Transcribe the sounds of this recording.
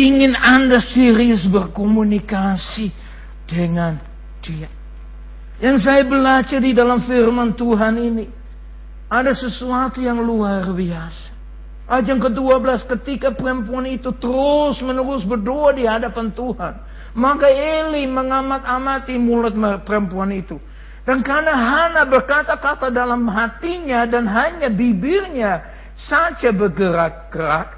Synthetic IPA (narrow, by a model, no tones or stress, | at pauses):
iŋɪnandasiɾiʊsbərkomunikasi | d̥əŋan | d̥ia | jaŋs̬ajabəlat͡ʃardidalamfirmant̪uɦanini | adasəsuat̪ujaŋluarbiasḁ | ʔad͡ʒaŋkəduabəlaskət̪ikapuɛmpuanit̪ut̪əɾʊsmənəɾʊsbərdoadiɦadapant̪uhan | makaeliməŋamat̪amat̪imulʊt̪̚məpəɾəmpuanit̪u | dankanaɦanabərkat̪akat̪adalamɦat̪iɲadanɦaɲabibɪrɲa | sad͡ʒabərɡəɾak̚ɡ̥əɾak̚